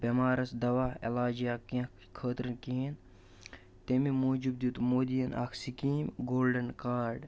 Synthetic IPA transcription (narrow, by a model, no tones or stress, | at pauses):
bemaːɾɐsd̪ɐʋaːelaːd͡ʒijaːkɐ̃ | kʰəːt̪ɾɐnkiɦin | t̪emimoːd͡ʒubd̪ut̪moːd̪ijɐna̰ːkʰsikiːmɡoːlɖɐnkaːɾɖ